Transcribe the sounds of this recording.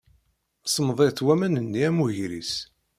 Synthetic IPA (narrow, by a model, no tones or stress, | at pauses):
sˤəmðˤeɾθwæmænənːiæmuʝɾis